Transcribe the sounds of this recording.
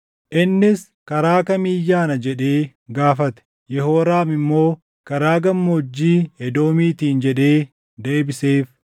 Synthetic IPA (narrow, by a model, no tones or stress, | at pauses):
ʔɪnːɪs | kɐɾaːkɐmiːjːaːnɐd͡ʒɛᶑe̞ː | ɡaːfɐt̪ɛ̥ | jɛɦo̞ːɾaːmɪmːo̞ː | kɐɾaːɡɐmːod͡ʒːiːɛd̪o̞ːmiːt̪iːnd͡ʒɛᶑe̞ː | d̪e̞ːbɪseːf